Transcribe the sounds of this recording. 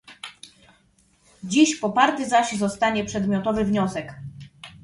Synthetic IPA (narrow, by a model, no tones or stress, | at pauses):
d͡ʑiɕpɔpaɾt̪ɘzaɕzɔst̪aɲɛpʂɛd̪mʲjɔt̪ɔvɘvɲɔsɛk